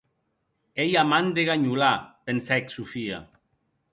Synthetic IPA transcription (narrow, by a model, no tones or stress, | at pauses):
ejamand̪eɣaɲulapensɛksufia̰